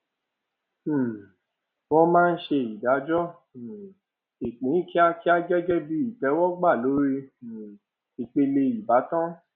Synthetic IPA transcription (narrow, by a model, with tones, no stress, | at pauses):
wɔ˦mãː˦˧n̩˦ʃe˧i˨da˨˦d͡ʒɔ˦˨ | i˨k͡pĩ˨˦ki˦a˦ki˦a˦d͡ʒɛ˦d͡ʒɛ˦bi˦i˦˨tɛ˨˦wɔ˦ɡ͡ba˦˨lo˨˦ɾe˧˨ | i˨k͡pe˧le˧i˨ba˨˦tã˦